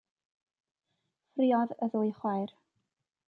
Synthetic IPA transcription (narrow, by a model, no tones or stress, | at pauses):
friɔðəðuːɨjχwajr